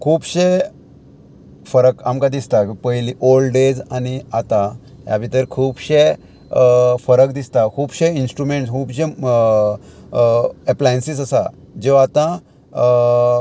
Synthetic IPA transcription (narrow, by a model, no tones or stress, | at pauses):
kʰuːbɕe | fəɾəkamkãd̪ist̪akipəjliʔolɖed͡zaniat̪a | ɦja̰bʱit̪əɾkʰuːbɕe | fəɾəkd̪ist̪akʰuːbɕeinsʈɾumeɳʈskʰuːbɕẽ | eplajənsisəsa | d͡ʑeʋat̪ã